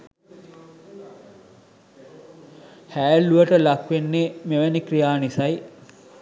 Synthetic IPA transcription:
hæːluəʈəlakʋenːemeʋænikrijaːnisaj

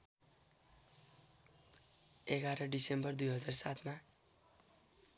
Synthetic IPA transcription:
eɡaɾʌɖisembʌrd̪ujɦʌd͡zarsat̪ʰma

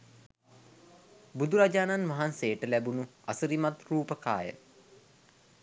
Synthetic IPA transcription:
bud̪uɾad͡ʒaːnanʋaɦanseːəʈəlæbunua̰səɾimat̪ruːpəka̰ːjə̰

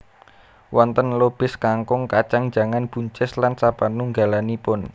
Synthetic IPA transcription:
wɔnt̪ənlob̥ɪskaŋkʊŋkat͡ʃaŋ̥d͡ʒ̥a̤ŋanb̥ṳɲt͡ʃɪslansab̥anuŋɡa̤lanipʊn

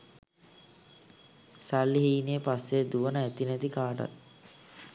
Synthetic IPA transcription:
salːiɦiːnejəpasːed̪uʋənəæt̪inɛt̪ikaːʈa̰t̪̚

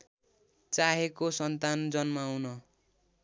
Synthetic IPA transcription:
t͡saɦekosʌnt̪and͡zʌnmaːwnʌ

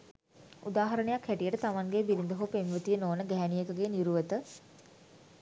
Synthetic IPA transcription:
ṵd̪aːɦɐɾənəjakhɛʈijəʈət̪aʋaŋɡebiɾind̪əɦupenʋət̪ijənoːnəɡɛɦɛnijəkəɡeniɾuʋət̪ə

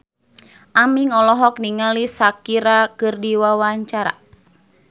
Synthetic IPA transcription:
ʔamiŋɔlɔɦɔk̚niŋalisakiɾakɨrdiwawaɲt͡ʃaɾa̰

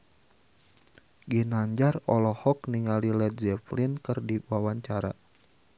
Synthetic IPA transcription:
ɡinaɲd͡ʒarɔlɔhɔkniŋalilɛt̪̚d͡ʒɛplinkɨrdiwawaɲt͡ʃaɾa̰

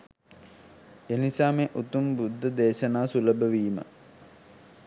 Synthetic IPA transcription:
enisaːmeːʔut̪umbud̪ʱːəd̪eːʃɐnaːsuləbəʋiːmə̰

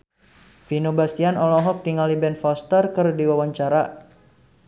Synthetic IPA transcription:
finobast̪ianɔlɔɦɔk̚diŋalibɛnfɔst̪ərkərdiwawaɲt͡ʃaɾa

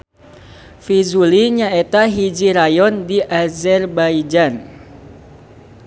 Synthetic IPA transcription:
fizuliɲaet̪aɦid͡ʒiɾajɔndiʔazɛrbajd͡ʒan

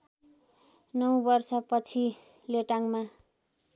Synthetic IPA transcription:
nʌwbʌrsʌpʌt͡sʰi | leʈaŋma

